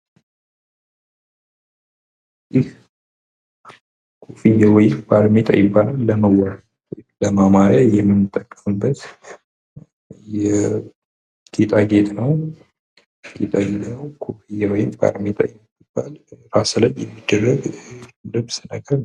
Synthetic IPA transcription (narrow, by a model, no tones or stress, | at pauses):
jɪh | kʰofijawɔjɪmbaɾmet̪ʼa̰jɪbːalalːəməwaɾ | wləmamaɾajɛmːɨnːɨt̪ʼːəkʼːə̥fɨbət̪ | jɛ | ɡ̥et̪ʼaɡet̪ʼnəw | ɡ̥et̪ʼaɡet̪ʼnəwkʰofijawɔjɪmba̰ɾmet̪ʼa̰jɛ | ɪb̥ːalɾasələnjɛmːid̪ːərːəɡləbsɨnəɡəɾ